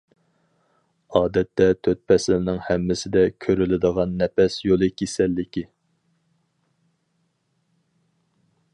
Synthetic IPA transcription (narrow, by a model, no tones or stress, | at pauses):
ɑːd̪ɛt̪ʰːɛt̪ʰøt̪̚pʰɛslɪɾnɪŋhɛmːɪsɪd̪ɛkʲʰøɾylɪd̪əʁɑnːɛpɛsjolˠɨkʲʰesɛlːɪkʲi